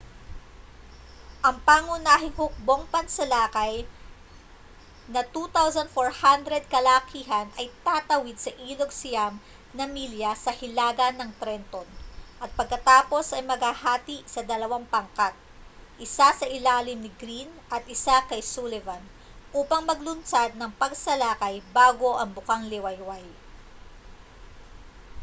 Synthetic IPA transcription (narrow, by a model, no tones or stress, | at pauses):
ʔɐŋpaːŋʊnaːɦɪŋhʊk̚bo̞ŋpɐnsɐlaːkɐj | nɐt̪ut̪awsɐnd̪foɹhand̪ɾɛd̪̚kɐlakiːɦɐnʔɐjt̪aːt̪ɐwid̪̚sɐʔiːloɡsɪjam | nɐmiljɐsɐhɪlaːɡɐnːɐŋt̪ɾɛnt̪onʔɐt̪̚pɐɡ̚kɐt̪aːpo̞sɐjmɐɡhahaːt̪iʔsɐd̪ɐlɐwaŋpɐŋkat̪̚ | ʔɪsasɐʔɪlaːlɪmnɪɡɾinʔɐt̪̚ʔɪsakɐjsulɛvɐn | ʔuːpɐŋmɐɡlʊnt͡ʃad̪̚nɐŋpɐɡsɐlaːkɐjbaːɡo̞ʔɐŋbʊkaŋlɪwɐjwaj